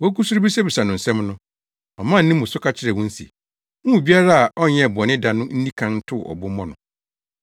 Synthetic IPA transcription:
wɔ˦ku˦su˦ɾʊ˦bi˦sɛ˦bi˨sa˨nʊ̃˨n̩˨sɛ̃˦mnʊ̃˦ | ɔ˨mã˦˨n̩ː˦nĩ˦mːʊ̃˨sʊ˦kʰa˦t͡ɕʰɪ˦ɾɛ˨wɔ̃˦n̩˦sḭ˨ | mũ˦˨bi˦a˦ɾa˦a˨ʔɔ˦ɲɛ̃˦˨bɔ˨nɪ̃˦da˨nʊ̃˦n̩˦nĩ˦kʰã˦n̩˦tʰʊ˦˨ʔɔ̰˨bʊ˦mɔ̃˦nʊ̃˨

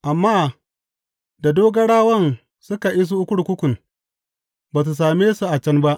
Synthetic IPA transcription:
ʔa˨mːaː˦ | da˨doː˦ɡɐ˦ɽaː˦wɐ˦n | sʊ˦ka˨ʔi˦s̬u˦ʔʊ˦kʷʊ˦ɽkʷʊ˦kʷʊ˨n | baː˨s̬u˨s̬aː˨meː˦su˨ʔa˨t͡ʃɐ˦nba˦ʔ

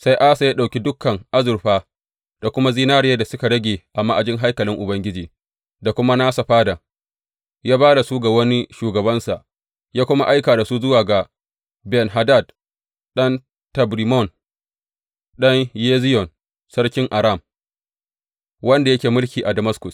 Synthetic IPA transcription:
sa˦jʔa˦sa˨jaː˦ɗa˨kʲi˦dʊ˦kʰːɐ˨ŋʔa˦zʊ˨ɾɸaː˦ | d̥a˨kʷʊ˦ma˦ziː˦naː˦ɽjeː˦da˨sʊ˦ka˨ɽɐ˦ɡʲeː˨ʔa˨ma˦ʔa˨d͡ʒɪ˦ŋɦa˦jkɐ˨lɪ˦ŋʔʊ˨bɐ˦ŋɡʲɪ˦d͡ʒiː˨ | da˨kʷʊ˦ma˦naː˦sa˨ɸaː˦da˨ | jaː˦baː˦da˨su˦ɡa˨wɐ˦ni˦ʃuː˨ɡɐ˨bɐ˦nsa˨ʔ | jaː˦kʷʊ˦ma˦ʔa˦jkaː˨da˨su˦zʊ˦waː˨ɡa˨ | bɛ˨nɦa˨da˦˨d̚ | ɗɐ˦n | tɐ˨bɾi˨mɔ˦˨n | ɗɐ˦ɲjeː˦zɪ˦jɔ˨n | sɐ˦ɽkʲɪ˦ŋʔa˨ɾa˦˨m | wɐ˦nda˨jɐ˦kʲeː˨mʊ˦lkʲiː˨ʔa˨dɐ˨mɐ˦skʊ˨s

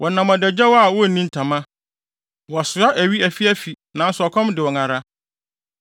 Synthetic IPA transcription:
wʔɔ˨nã˨mã˨dɛ˨d͡ʑɛ˦wɔ˦a˨wɔ˦˨nĩ˦n˨tʰã˨mã˦ | wɔ˨sʊ˨˦a˦ʔæ˨ɥi˦æ˨fi˦æ˦fi˨ | nã˨˦n̩˦sʊ˨ɔ˨kʰɔ̃˦mdɪ˨wɔ˨ŋã˨ɾa˦

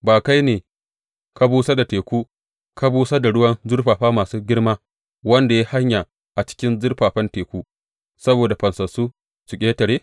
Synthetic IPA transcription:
baː˨ka˦jneː˨ | ka˦buː˦sa˦da˨teː˨kʷuː˦ | ka˦buː˦sa˦da˨ɽʊ˦wɐ˦nzʊ˦rɸaː˨ɸaː˦maː˨suː˦ɡʲɪ˦ɽmaː˦ | wɐ˦nda˨ja˦ha˦ɲja˨ | ʔa˨t͡ʃɪ̥˦kʲɪ˦nzʊ˦rɸaː˨ɸɐ˦nteː˨kʷuː˦ | sɐ˦boː˨da˨ɸɐ˨nsɐ˨suː˦ | sʊ˨kʲʼeː˦tɐ˨ɽeː˦

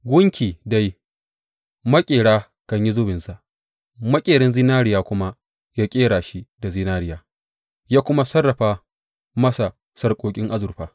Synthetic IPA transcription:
ɡʷʊ˦ŋkʲiː˨da˦j | mɐ˦kʲʼeː˨ɽaː˦ | kɐ˨ɲji˦zʊ˦bɪ˨nsa˨ʔ | mɐ˦kʲʼeː˨ɽɪ˦nziː˦naː˦ɽɪ˨jaː˦kʷʊ˦ma˦ | jaː˦kʲʼeː˦ɽaː˨ʃi˦da˨ziː˦naː˦ɽɪ˨jaː˦ | jaː˦kʷʊ˦ma˦sɐ˦rːɐ˨ɸaː˦ | mɐ˦sa˨ | sɐ˦rkʷʼoː˨kʲʼɪ˦ŋʔa˦zʊ˨ɸaː˨

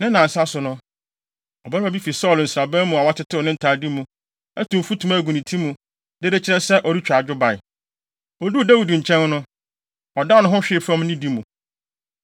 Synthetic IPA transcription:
nɪ̃˦nã˨n̩˨sa˦sʊ˨nʊ̃˦ | ɔ˨ba˦ma˨bi˦fi˨sɔ˦˨ln̩˨sɾa˨bɛ̃˦mũ˨a˨wa˦tʰɪ˦tʰɪ˦ɔ˨nɪ̃˦n̩˨tʰa˨di˦mũ˨ | æ˦tʰũ˨fu˦tʰũ˨ma˦˨ɡu˨nĩ˨tʰi˦mũ˨ | dɪ˦de˦t͡ɕʰɪ˦ɾɛ˦sɛ˦ʔɔ˨ɾi˦t͡ɕᶣa˨d͡ʑᶣʊ˦ba˨ɪ˨ | ɔ˨du˦˨dæ˦wi˨dɲ̩˨t͡ɕʰɛ̃˦n˦nʊ̃˦ | ɔ˨da˦nʊ̃˦ɦʊ̃˦ɕᶣɪ˨fɾɔ̃˦mnĩ˦di˦mũ˨

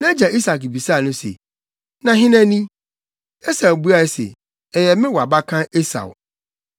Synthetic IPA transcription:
nã˦d͡ʑa˨ʔi˦sa˨kbi˨sa˦˨nʊ̃˦sḛ˨ | nã˨ɦɪ̃˦næ̃˦nĩ˦ | e˦sa˨bu˦a˨ɛ˨sḛ˨ | ɛ˨jɛ˨mɪ̃˦wɔ˨a˨ba˦kʰã˦e˦sa̰˨w

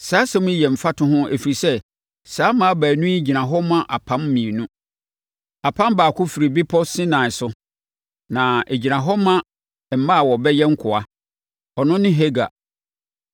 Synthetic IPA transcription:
saː˨˦sɛ̃˦mʊ̃˦jɛ˨m̩˨fa˦tʰʊ̃˦ɦʊ̃˦ʔæ̰˨fi˨ɾi˨sɛ˦ | saː˨˦mã˨˦a˦bæː˨nũ˦i˦d͡ʑi˨nã˨ɦɔ˦mã˦ʔa˨pʰã˦mː˦ĩ˨e˨nũ˦ | a˨pʰã˦mbaː˨kʰʊ˦fi˨ɾi˨bi˦pʰɔ˦sɪ̃˦nãː˨ɪ˨sʊ˦ | nã˨e˨d͡ʑi˨nã˨ɦɔ˦mã˦˨ | m̩˨˦mã˦˨wɔ˨bɛ˦jɛ˦ŋ̩˦kʰʊ˨a˦ | ɔ˨nʊ̃˦nɪ̃˦ɦe˦ɡa̰˨

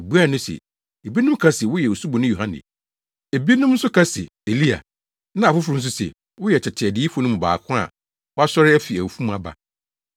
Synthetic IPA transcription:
e˨bu˦a˦˨nʊ̃˦sɛ̰˨ | e˨bi˦nʊ̃˦m˦kʰa˦sɪ˨wʊ˦jɛ˨o˨su˦bɔ˨nʊ̃˦jo˨ɦã˦nɪ̰̃˨ | e˨bi˦nʊ̃˦mn̩˦sʊ˦kʰa˦sɪ̰˨ | e˨li˦a̰˨ | nã˦a˨fʊ˦fʊ˨ɾʊ˦n̩˦s̬ʊ˦sɛ̰˨ | wʊ˦jɛ˨t͡ɕʰɛ˨tʰɪ˨ɛ˨dɪ˦i˦fɔ˦nʊ̃˦m̃˨ba̰ː˨kʰʊ̃˦a̰˨ | wɔ˦a˦sɔ˦ɾɪ˦æ˦fi˨æ˨wu˨fũ˦mũ˨˦a˨ba̰˨

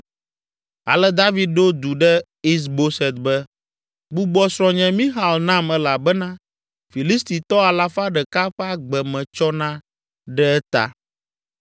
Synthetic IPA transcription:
a̰˨lɛ˦d̪a˦vi˨˦d̪̚ɖo˦d̪u˨ɖɛ˦ | i˦s̬bo˦sɛ˨t̪̚bɛ˦ | ɡ͡bu˦ɡ͡bɔ˦sɾɔ̃˨ɲɛ̃˨mĩ˦ɦa˨lnã˦mɛ˦la˨bɛ˦nã˦ | fi˨li˦st̪i˨t̪ɔ˦a˨la˦fa˦ɖɛ˨ka˦ɸɛ˦a˦ɡ͡bɛ˨mɛ̃˨t͡ʃɔ˦nã˦ | ɖɛ˦ɛ˦t̪a̰˨

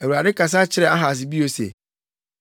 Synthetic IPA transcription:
æ˨wu˨ɾa˨dɪ˦kʰa˨s̬a˦t͡ɕʰɪ˦ɾɛ˨a˦ɦa˨s̬ɪ˨bi˦o˨sḛ˨

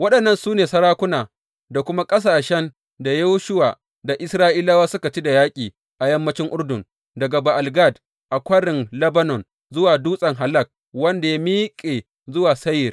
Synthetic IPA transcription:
wɐ˦ɗɐ˨nːɐ˦nsuː˦neː˨sɐ˦ɾaː˦kʷʊ˦naː˨ | da˨kʷʊ˦ma˦kʼɐ˦s̬aː˨ʃɛ˦n | da˨ja˦wʃʊ˦waː˨ | da˨ʔɪ˦sɾaː˦ʔiː˦laː˦waː˦sʊ˦ka˨t͡ʃi˦da˨jaː˦kʲʼiː˨ | ʔa˨jɐ˦mːɐ˦t͡ʃɪ˦ŋʔʊ˦ɽdʊ˨n | dɐ˨ɡa˨ba˨ʔa˨lɡa˦˨d | ʔa˨kʷɐ˦ɽɪ˨nlɐ˦ba˦nɔ˨n | zʊ˦waː˨duː˦sʼɐ˨ŋɦa˨lɐ˦˨k̚ | wɐ˦nda˨ja˦miː˦kʲʼeː˨ | zʊ˦waː˨sɐ˦jɪ˨r

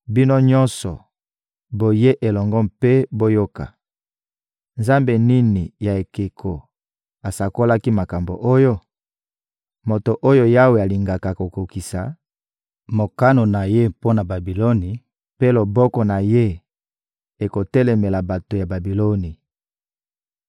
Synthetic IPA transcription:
bi˦no˦ɲɔ̃˦nsɔ˨ | bo˨je˦ʔe˨lɔ˨ŋɡɔ˦mpe˦bo˦jo˦ka̰˨ | nza˦mbe˨ni˦ni˨ja˨e˨ke˨kʰo˨ | a˨sa˨ko˦la˦ki˦ma˨ka˨mbo̰˨ʔo˦jo˦ | mo˨to˨ʔo˦jo˦ja˦we˨a˨li˨ŋɡa˨ka˨ko˨ko˨ki˨sa˨ | mo˨ka˦no˨na˨je˦po˦na˨ba˨bi˨lo˦ni˨ | pe˦lo˨bɔ˦kɔ˨na˨je˦ | e˨ko˨tɛ˦lɛ˨mɛ˨la˨ba˨to˨ja˨ba˨bi˨lo˦ni˨

